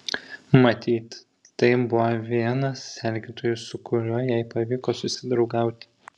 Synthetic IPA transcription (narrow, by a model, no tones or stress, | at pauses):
mɐt̪ʲiːt̪ | t̪ɐɪbʊʋoʋʲiɛnɐsːʲɛlʲɡʲiːt̪oːjʊsʊkʊɾʲʊjɛˑɪpɐʋʲiːkoːsʊsʲɪd̪ɾɒʊɡɑˑʊt̪ʲɪ̥